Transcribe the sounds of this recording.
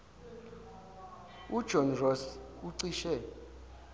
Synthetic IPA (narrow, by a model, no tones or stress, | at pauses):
ud̥ʒ̥ʱɔnrɔs | uǀiʃɛ